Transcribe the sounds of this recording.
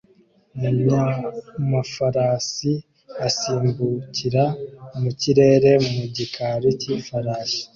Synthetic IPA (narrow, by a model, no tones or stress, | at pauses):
aɲamafaɾasi | asiːmbuciɾamuciɾe̞ːɾe̞muɟikaɾicifaɾaːʃi̥